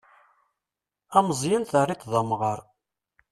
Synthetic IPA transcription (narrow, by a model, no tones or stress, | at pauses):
æməzˤjənθərˤːit̪ˤðˤɑmʁəɾˤ